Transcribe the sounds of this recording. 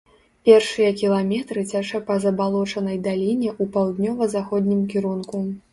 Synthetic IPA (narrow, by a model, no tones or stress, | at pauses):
pʲɛrʂɨjɐkʲilˠamʲɛt̪ɾɨt͡sʲaʂɐpɐzɐbalˠɔt͡ʂɐnɐjd̪alʲinʲɛʔupawd̪nʲɔvɐzaxɔd̪ʲnʲimkʲiɾunku